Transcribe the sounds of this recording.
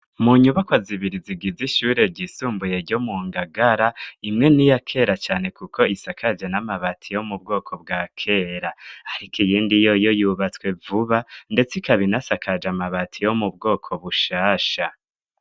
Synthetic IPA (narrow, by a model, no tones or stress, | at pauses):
muɲuβakwaziβiɾiziɡiziʃuːɾe̞ɾɟisuːmbuje̞ɾɟo̞muːŋɡaɡaɾaimŋe̞nijakʰe̞ɾat͡ʃaːne̞kukʰo̞isakʰad͡ʒanamaβatʰijo̞mub̚ɡo̞ːkʰo̞b̚ɡaːkʰe̞ɾaaɾikʰijiːndijo̞jo̞juβat͡swe̞vuβande̞t͡sikaβinasakʰad͡ʒamaβatʰijo̞mub̚ɡo̞ːkʰo̞βuʃaːʃa